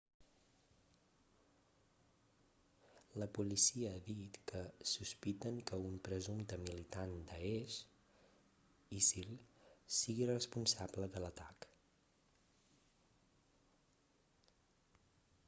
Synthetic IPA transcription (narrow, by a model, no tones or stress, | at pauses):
ləpulisiəːðit̪kəsuspit̪əŋkəumpɾəzumt̪əmilit̪and̪əeʃ | isilˠsiɣirəspunsabləðələt̪ak